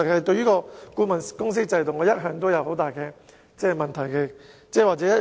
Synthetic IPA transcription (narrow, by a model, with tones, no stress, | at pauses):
ɐ˨khɐ˨jt̪ɵ˧ɥyː˥kɔː˧kuː˨˧mɐ˨nkʊ˥ŋs̬iː˥t͡sɐ˧jt̪ʊ˨ŋɔː˨˧jɐ˥t̚ɦœː˨˥ŋt̪o˥wjɐ˨˧˥who˨˥wt̪aː˨jkɛː˧ | t͡sɛː˥˩mɐ˨nt̪ʰɐ˨˩jkɛː˧t͡sɛː˥˩waː˨t͡sɛ˨˥jɐ˥